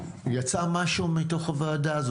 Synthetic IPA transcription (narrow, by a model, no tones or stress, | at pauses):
jat͡samaʃumit̪oχavaːdaːz